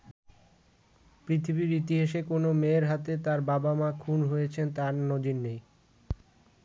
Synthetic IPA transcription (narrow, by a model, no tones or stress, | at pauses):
pɾit̪ʰibiɾit̪iɦaʃekonomeɾɦat̪et̪aɾbabamakʰunɦojet͡ɕʰent̪aɾnod̪inːej